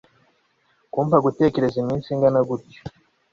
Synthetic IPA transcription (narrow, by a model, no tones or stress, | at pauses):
kuːɱvaɡute̞ːce̞ɾe̞zimiːnsiŋɡanaɡuɾɟo̥